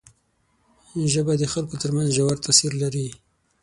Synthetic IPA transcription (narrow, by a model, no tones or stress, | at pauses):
ʒəbad̪əxalkot̪əɾmanzʒawaɾt̪ʰasiɾlaɾi